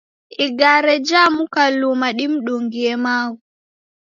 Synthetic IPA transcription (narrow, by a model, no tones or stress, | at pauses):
ʔiɡaːɾɛd͡ʒamukalumaɗimɗuŋɡiɛmaːwu